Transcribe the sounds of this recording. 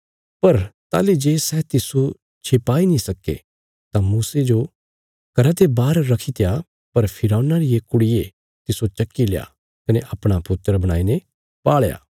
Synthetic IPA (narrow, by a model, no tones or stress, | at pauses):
pɐɾt̪a̰ːlid͡ʒeːsɛt̪ɪsu | t͡ʃʰeːpaːinĩsɐkːḛ | t̪ãmuːsed͡ʒo | kɐɾat̪ebaːɾːɐkʰit̪eja | pɐɾpʰɪɾaːnaɾiekʊɽɪje | t̪ɪsot͡ʃɐkːileja̰ | kɐneʔɐpɽ̃apʊt̪ːəɾbɐɽ̃aːine | paːɭja̰ː